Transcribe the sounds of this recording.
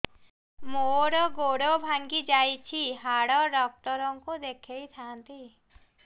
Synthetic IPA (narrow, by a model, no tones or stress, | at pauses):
moɽɔɡoɽɔbʱaŋɡid͡ʒajt͡ʃʰiɦaɽɔɖɔk̚ʈɔɾɔŋkud̪ekʰejt̪ʰaːnt̪i